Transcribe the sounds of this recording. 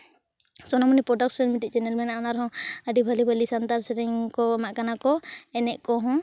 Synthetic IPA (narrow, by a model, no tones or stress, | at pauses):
sɔnamɔnipɾɔɖak̚sɔnmiʈit̪̚t͡ʃɛnɛlmɛnanaɾɦɔ̃əɖibʱalibʱalisant̪aɾsɛɾɛŋkɔamaʔkanakɔɛnɛʔkɔɦɔ̃